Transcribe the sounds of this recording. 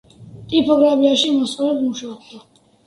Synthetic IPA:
t̪ʼipʰɔɡɾapiaʃimɔsʼɔlɛbmuʃaɔk̚ʰd̪a

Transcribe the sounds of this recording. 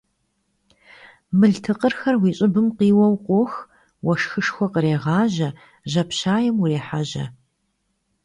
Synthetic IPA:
mɨɮtʰɨqərxɐrwiːɕʼɪbɨmqiːwɐwqʷʊx | wɐʃxɨʂxʷɔqəɾeːʁɑːʑɐ | ʑɐpʰɕaːjɛmureːħaʑɐ̰

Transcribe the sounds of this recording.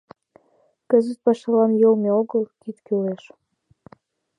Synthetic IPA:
kə̆zət̪̚pɑʃɑlɑnjolmʲeoɣəlˠkit̪kyleʃ

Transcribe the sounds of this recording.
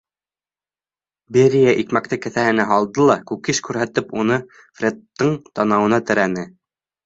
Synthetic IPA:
beɾʲijaʔikmæk̚t̪ɘkɘ̆θæhɘ̆næɦɑlˠd̪ɤlˠɑkʉkiʃkʉɾɦæt̪ɘpunɤ | frʲet̪ːɤɴt̪ɑnɑwɤ̆nɑt̪ɘ̆ɾænɘ

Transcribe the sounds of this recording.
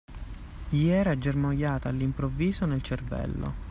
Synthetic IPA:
ʎiɛːɾad͡ʒermojːaːt̪aːlːimpɾovːiːzonelt͡ʃervɛ̰lːo̰

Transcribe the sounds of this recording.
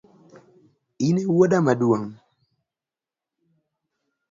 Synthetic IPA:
inewodamaduaŋ

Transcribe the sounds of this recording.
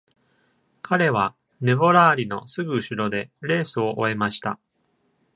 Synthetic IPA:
kʰaɾe̞β̞a | ne̞bo̞ɾaːɾʲino̞sɨɡɯ̟ːɕiɾo̞d̪e̞ɾe̞ːsɨo̞ʔoe̞maɕi̥t̪a

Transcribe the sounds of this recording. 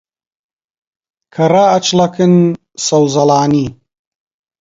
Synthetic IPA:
kʰɐraːɐt͡ʃlɐkɨn | sɐwzɐlaːni

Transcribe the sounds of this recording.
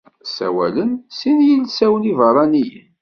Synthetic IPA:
sæ̰wæ̰lənsinjəlsæwənivərˤɑnijə̰n

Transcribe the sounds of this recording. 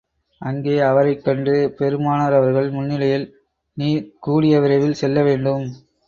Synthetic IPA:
ʔɐŋɡeːɐʋɐɾɐɪkːɐɳɖɯpɛɾɯmaːnɐɾɐʋɐɾɣɐɭmʊnːɪlɐjɪl | niːɾkuːɽɪjɐʋɪɾɐɪʋɪlsɛlːɐʋeːɳɖɯm

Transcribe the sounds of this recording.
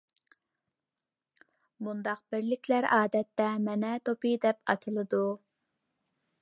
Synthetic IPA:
bund̪ɑq̚b̥ɪɾlɪkʲʰlæɾɑːd̪ɛt̪ːɛmɛnɛt̪ʰopid̪ɛpɑ̰t̪ʰɨlˠɨd̪u

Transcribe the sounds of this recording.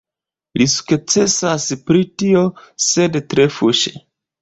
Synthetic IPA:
lisu̥kt͡se̞saspɾitio̞se̞dtɾe̞fuʃḛ

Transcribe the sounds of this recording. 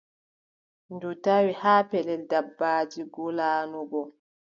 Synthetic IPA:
ndutawihaːpɛlɛldabːaːd͡ʒiɡɔlaːnɔɡɔ

